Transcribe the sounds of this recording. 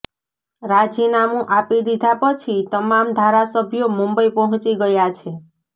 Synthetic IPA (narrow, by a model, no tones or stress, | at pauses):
ɾad͡ʒinamũʔapid̪id̪ʱapət͡ʃʰit̪əmamd̪ʱaɾasəbʱjomumbəipɔɦɔ̃t͡ʃiɡəjat͡ʃʰe